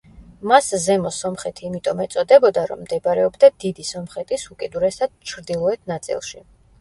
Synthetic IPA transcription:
maszɛmɔsɔmχɛt̪ʰiːmit̪ʼɔmɛt̪sʼɔd̪ɛbɔd̪aɾɔ̰mːd̪ɛbɾɛɔbd̪ad̪id̪isɔmχɛt̪ʼisukʼid̪uɾɛsad̪̥̚t͡ʃʰɾd̪ilˠɔɛt̪ʰnat̪sʼḭlˠʃḭ

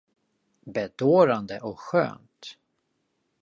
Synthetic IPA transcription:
bɛd̪oːɾand̪əʔɔkɧø̰ːnt̪

